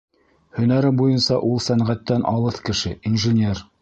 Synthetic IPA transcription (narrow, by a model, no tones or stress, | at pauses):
hɵ̆næɾɘbujɤnsɑʔulˠsæɴʁæt̪ːænʔɑlˠɤθkɘ̆ʃɘinʒɘnʲer